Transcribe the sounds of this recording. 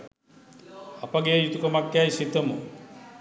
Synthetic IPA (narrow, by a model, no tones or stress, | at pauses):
ɐpɐɡeɐjut̪ukɐmakːjajsit̪ːɐmu